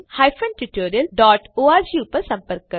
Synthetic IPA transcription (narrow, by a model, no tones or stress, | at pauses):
hɐjfɐnʈuʈːoːɾiɐlɖaːʈoːaːɾd͡ʒijupːɐsɐmpɐɾkɐ